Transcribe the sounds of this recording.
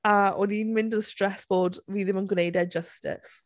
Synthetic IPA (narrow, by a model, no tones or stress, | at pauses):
aʔɔninmɪ̃ndəðəstɹ̥ɛsb̥ɔːdɹiðə̃mə̃nɡʊneɪdɛd͡ʒʌstɪ̰s